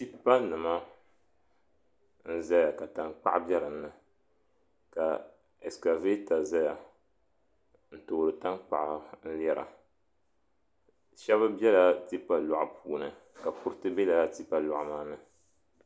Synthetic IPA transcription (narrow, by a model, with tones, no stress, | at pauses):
ti˦pːa˦nɨ˨ma˦ | n̩˦za˦ja˨ka˨ta˨ŋk͡pa̰˦ʔbɛ˦ɾɨ˨m˦nɨ˨ | ka˨ | ɛ˨ska˨ve˦ta˨za˦ja˨ | n̩˦toː˨ɾɨ˨ta˦ŋk͡pa̰˨ʔn̩˦lɛ˦ɾa̰˨ | ʃɛ˦βɨ˦bɛ˦la˦ti˦pːa˦lɔ˨ʔa˨pʰuː˦nɨ˨ka˨pu˦ɾɨ˦tɨ˦bɛ˦la˨la˦ti˦pa˦lɔ˨ʔmaː˦nɨ˨